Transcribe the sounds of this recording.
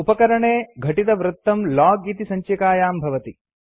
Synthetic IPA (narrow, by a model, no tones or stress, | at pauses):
upɐkɐɾɐɳeːɡʱɐʈid̪ɐʋɾɨt̪ːɐmlaːɡit̪isɐɲt͡ʃɐkaːjaːmbʱɐʋɐt̪i